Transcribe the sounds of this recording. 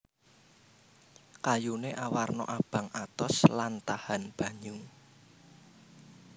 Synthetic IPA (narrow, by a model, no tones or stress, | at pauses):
kajuneʔawarnɔ̰ʔab̥ä̤ŋat̪ɔslant̪ahanb̥a̤ɲuŋ